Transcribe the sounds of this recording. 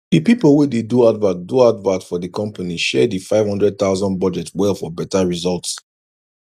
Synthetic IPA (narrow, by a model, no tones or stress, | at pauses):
dipipəlˠwideduadvatduadvatfɔðikɔ̃mpaniʃɛdifaɪv̥hʌ̃ndɹɛd̚θaʊzɔ̃nbɔd͡ʒɛtʰwɛlˠfɔbɛtaɹizɔlˠts